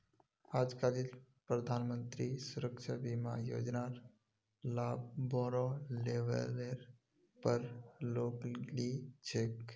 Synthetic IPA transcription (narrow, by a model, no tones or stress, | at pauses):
aːd͡ʒkalil | pɾəd̪ʱaːnmə̃nt̪ɾisʊɾəkʃʰabima̰jo̰ːd͡ʒnaːɾ | laːbbɔːɾoleʋə̰leɾ | pəɾloːklit͡ʃʰek